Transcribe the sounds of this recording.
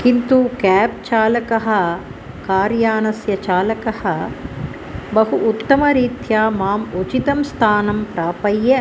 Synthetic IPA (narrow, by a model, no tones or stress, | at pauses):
kint̪ukɛːp̚t͡ʃaːlɐkɐɦɐ̆ | kaːɾjaːnɐsjɐt͡ʃaːlɐkɐhɐ̆ | bɐɦuʔːt̪ːɐmɐɾiːt̪jaːmaːmut͡ʃit̪ɐmst̪ʰaːnɐmpɾaːpɐjːe